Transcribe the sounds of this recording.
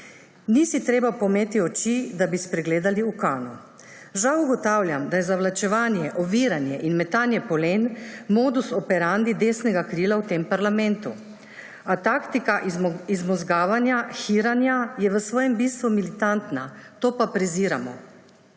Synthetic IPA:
nisit̪ɾeːbapɔmeːt̪iɔt͡ʃid̪abispɾɛɡleːd̪aliukaːnu | ʒawuɡɔt̪awljamd̪ajɛzaʋlat͡ʃɛʋaːnjɛʔɔʋiːɾanjɛʔinmɛt̪aːnjɛpɔlenmoːd̪usɔpɛɾand̪id̪eːsnɛɡakɾiːlawt̪eːmpaɾlamɛnt̪u | at̪akt̪ikaʔizmɔzɡaːʋanjaxiːɾanjajɛʋəsʋɔːjɛmbiːst̪ʋumilit̪ant̪nat̪oːpapɾɛziːɾa̰mɔ̰

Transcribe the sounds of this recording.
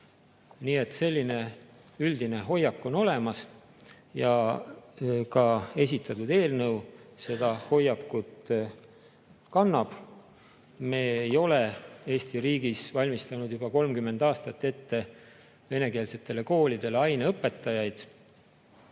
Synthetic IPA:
niːe̞t̪ːˑse̞lʲːine̞ | yld̪ine̞ɦo̞jːɑkːo̞no̞le̞mɑs | jɑ | kɑe̞s̬ʲit̪ːˑɑt̪ud̪e̞ːlnɤwse̞d̪̥ɑho̞jːɑkːut̪ | kɑnːɑb̥ | me̞ːejo̞le̞e̞ːst̪iɾiːɡ̥isvɑlʲmist̪ɑnud̪̥jub̥ɑko̞lmkymːe̞nd̪̥ɑːst̪ɑt̪ːe̞t̪ːe̞ | ve̞ne̞ke̞ːlse̞t̪ːˑe̞le̞ko̞ːlʲid̪̥e̞leɑjneɤpːˑe̞t̪ːˑɑjɑjd̪̥

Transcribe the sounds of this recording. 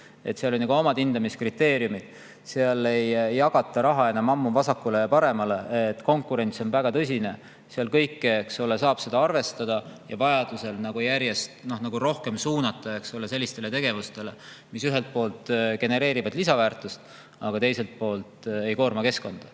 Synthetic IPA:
e̞t̪seɑlonʲɑɡuo̞mɑd̪̥ind̪ɑmiskrit̪ːe̞ːɾjumid̪̥ | seɑle̞jjːɑɡ̥ɑt̪ːˑɑɾɑɦɑe̞nɑmɑmːuvɑsɑkːule̞jɑpɑɾe̞mɑle̞t̪ːˑko̞ŋkːˑuɾe̞nt̪so̞nvæɡ̥ɑt̪ɤsʲine̞ | seɑlkɤjkːeeksole̞sɑːb̥se̞d̪ɑɑrve̞st̪ɑd̪̥ɑjɑvɑjɑd̪̥use̞lnɑɡ̥ujæɾje̞st̪no̞hnɑɡ̥uɾo̞hke̞msuːnɑt̪ːˑɑe̞ksole̞se̞lʲːist̪e̞le̞t̪e̞ɡ̥e̞vust̪e̞le̞ | misyɦe̞lt̪̚po̞ːlt̪ˑɡe̞ne̞ɾe̞ːɾivɑd̪lisɑvæːrt̪ˑust̪ | ɑ̰ɡ̥ɑt̪e̞jse̞lt̪̚po̞ːlt̪e̞jko̞ːrmɑke̞sko̞nd̪̥ɑ

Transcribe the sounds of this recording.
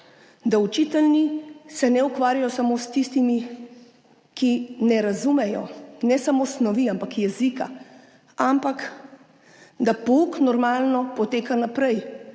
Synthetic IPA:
d̪aut͡ʃit̪ɛlnisɛnɛukʋaːɾjajɔsamoːst̪ist̪imi | kinɛɾazumɛjɔ̰nɛsamoːsnɔʋiampakjɛzika̰ | ampak | d̪apuknɔɾmaːlnɔpɔt̪eːkanapɾɛj

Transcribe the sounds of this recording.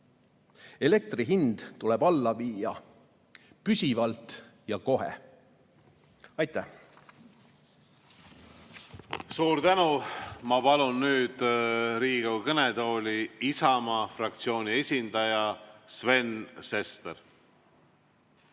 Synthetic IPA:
e̞le̞k̚t̪riɦind̪̥t̪ulɛb̥ɑlːɑviːjɑ | pysʲivɑlt̪ˑjɑko̞ɦḛ | ɑjt̪ːˑæh | suːɾt̪ænumɑpɑlunːyːd̪̥ɾiːɡ̥owkɤned̪o̞ːlʲiisɑmɑfrɑk̚t̪sio̞ːnʲie̞sʲind̪̥ɑjɑsve̞nse̞st̪eɾ

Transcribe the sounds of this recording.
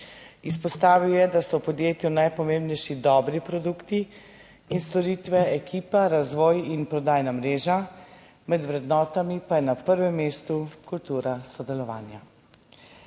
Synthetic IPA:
ispɔst̪aːʋiwjɛd̪asɔpɔd̪jeːt̪junajpɔmeːmbnɛjʃid̪ɔːbɾipɾɔd̪ukt̪iː | nst̪ɔɾiːt̪ʋɛɛkʰiːpaɾazʋɔːjinpɾɔd̪aːjnamɾeːʒa | mɛd̪ʋɾɛd̪nɔːt̪amipajɛnapəɾʋɛmːeːst̪ukult̪uːɾasɔd̪ɛlɔʋa̰ːnja

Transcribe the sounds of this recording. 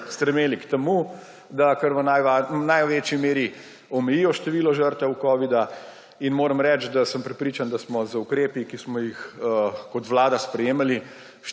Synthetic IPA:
st̪ɾɛmeːlikt̪ɛmu | d̪akəɾʋənaʋanajʋeːt͡ʃimeːɾi | ɔmɛjijɔʃt̪ɛʋiːlɔʒəɾt̪ʋɛukɔːʋid̪a | inmoːɾəmɾɛːt͡ʃd̪asəmpɾɛpɾiːt͡ʃand̪asmɔzəukɾeːpikismɔjixəkɔt̪ʋlaːd̪aspɾɛjeːmali | ʃ

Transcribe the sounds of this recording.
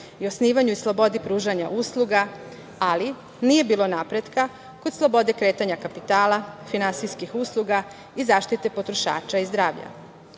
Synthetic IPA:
io̞sniːʋaɲuislˠo̞bo̞d̪ipɾuːʒaɲa̰ʔuslˠuɡa | ali | niːje̞biːlo̞napɾe̞d̪ka | kod̪slˠo̞bo̞d̪e̞kɾe̞ːt̪aɲakapit̪aːlafinansijskixuslˠuɡa | izaːʃt̪it̪e̞po̞t̪ɾoʃa̰ːt͡ʃaizd̪ɾaːʋʎa̰

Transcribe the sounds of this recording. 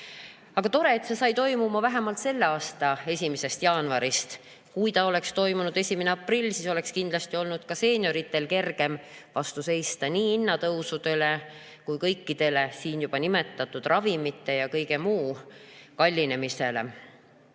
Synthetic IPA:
ɑɡ̥ɑt̪o̞ɾe̞ːt̪se̞sɑjt̪o̞jmumɑvæɦemɑlt̪se̞lːeɑːst̪ɑe̞sʲimese̞st̪jɑːnvɑɾist̪ | kujt̪ɑo̞le̞kst̪o̞jmunud̪̥e̞sʲimeneɑprilːsiso̞le̞kskind̪lɑst̪io̞lnud̪̥kɑse̞ːnʲjo̞ɾit̪ːˑe̞lke̞rɡ̥e̞mvɑst̪use̞jst̪ɑniːinːɑt̪ɤwsud̪̥e̞le̞ | kujkɤ̞jkːid̪̥e̞le̞siːnjub̥ɑnime̞t̪ːˑɑt̪ːˑud̪̥rɑvimit̪ˑːe̞jɑkɤjɡe̞muːkɑlʲːine̞mise̞le̞̰

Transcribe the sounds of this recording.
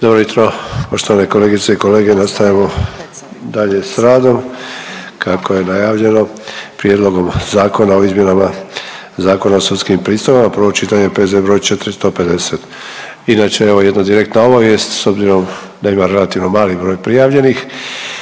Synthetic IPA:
d̪̥obɾojut̪ɾopo̞ʃt̪oane̞ko̞leːɡit̪seiko̞le̞ːɡenast̪ajamo̞ | d̪aʎe̞sɾaːd̪o̞m | kako̞je̞najaːʋʎe̞no̞pɾje̞d̪lˠo̞ɡo̞mzaːko̞nao̞izmje̞nama | zaːko̞naosut̪skimpɾiːst̪oʋamapɾ̩ʋo̞t͡ʃit̪aɲepe̞zebɾojt͡ʃe̞t̪ɾist̪o̞pe̞d̪e̞set̪ | inaːt͡ʃeeʋo̞je̞d̪nad̪iɾekt̪naoʋoje̞st̪so̞bziɾo̞m | d̪aimaɾe̞lat̪iʋno̞maːlibɾo̞ːjpɾijaːʋʎe̞nix

